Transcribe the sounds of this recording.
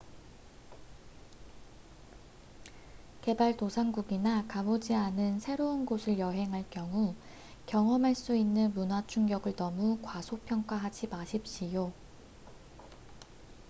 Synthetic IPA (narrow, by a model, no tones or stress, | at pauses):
ke̞baɭtosʰaŋɡuɡinakabod͡ʑianɯnsʰe̞ɾounɡosʰɯɭjʌɦe̞ŋɦaɭk͈jʌŋu | kjʌŋʌmɦaɭs͈uinːɯnmunat͡ɕʰuŋɡjʌɡɯɭnʌmukwasʰopʰjʌŋk͈waɦad͡ʑʰibaɕʰip̚ɕ͈ijo